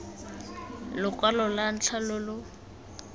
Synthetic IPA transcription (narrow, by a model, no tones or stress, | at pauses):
lʊkʼwalɔlan̩t͡ɬʰalʊlʊ